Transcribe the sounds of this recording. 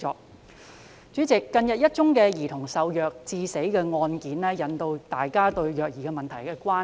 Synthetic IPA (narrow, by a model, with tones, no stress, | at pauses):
ɔ̰ː˨k̚ | t͡ʃyː˨˥t͡sɪ˨kːɐ˧njɐ˨t̚jɐ˥t̚t͡ʃʊ˥ŋkɛː˧jiː˨˩t̪ʰʊ˨˩ŋsɐ˨wjœː˨k̚t͡siː˧se˨˥jkɛː˧ŋɔː˧nkiː˨˥nlɛː˥jɐ˨nt̪o˧wt̪aː˨jkaː˥t̪ɵ˧ɥjœː˨˩k̚jiː˨kɛː˧mɐ˨nt̪ʰɐ˨˩jkɛː˧kʷaː˥